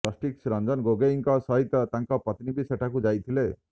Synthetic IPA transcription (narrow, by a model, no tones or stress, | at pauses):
ɔsʈiksɾand͡ʒɔnɡoɡeiŋkɔsɔɦit̪jɔt̪aŋkɔpɔt̪nibiseʈʰakud͡ʒajt̪ʰile